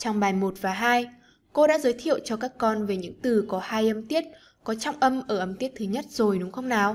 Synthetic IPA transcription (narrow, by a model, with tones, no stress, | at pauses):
t͡ɕɔ˧wŋ͡mɓaː˨˩jmo˨˩t̚vaː˨˩ɦaː˧j | ko˧ɗa̰ː˧˥zəː˨˦jt̪ʰḭ˧˨əwt͡ɕɔ˧kaː˦˥kːɔ˧nve˨˩ɲɨ̰˧˥ŋt̪ɨ˨˩kɔ˨˦haː˧jʔə˧mt̪i˦˥ət̚ | kɔ˨˦t͡ɕɔ˧wŋ͡mʔə˧mʔəː˧˩ʔə˧mt̪i˦˥ət̚t̪ʰɨ˨˦ɲə˦˥t̚z̥o˨˩jɗʊ˨˦ŋ͡mxə˧wŋ͡mnaː˨˩˦w